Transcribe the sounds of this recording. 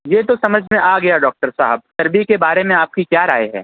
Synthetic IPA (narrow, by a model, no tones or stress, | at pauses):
jeːt̪osɐməd͡ʒʱmẽʔaːɡɐjaɖɔːk̚ʈəɾsaːɦəb̚t̪ɐɾbikebaːɾemẽaːp̚kikjaːɾa̰ːeɦɛ̰ː